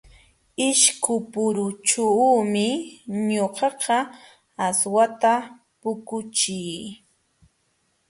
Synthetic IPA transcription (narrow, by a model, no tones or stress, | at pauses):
ɪʃkʊpʊɾʊt͡ʃuːmɪɲoqɑqɑ | aswat̪a | pʊkʊt͡ʃɪj